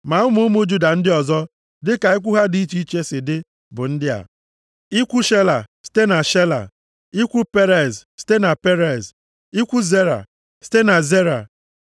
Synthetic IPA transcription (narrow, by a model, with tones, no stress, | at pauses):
ma˨ʊ˦mu˦mu˦d͡ʒu˦da˨n̩˦dɪ˦ɔ˨zɔ˦ | dɪ˦ka˨i˦kʷu˦ɦa˦di˦i˦t͡ʃi˦i˦t͡ʃe˦sɪ˨dɪ˦ | bʊ˨n̩˦dɪ˦a̰˨ | i˦kʷu˦ʃe˦la˨si̥˦te˦na˨ʃe˦la̰˨ | i˦kʷu˦pe˦ɾe˨zsi̥˦te˦na˨pe˦ɾe˨z | i˦kʷu˦ze˦ɾa̰˨ | si̥˦te˦na˨ze˦ɾa̰˨